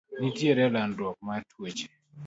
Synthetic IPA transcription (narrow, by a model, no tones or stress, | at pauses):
nitjeɾɛlandwɔk̚matʰwet͡ʃe̥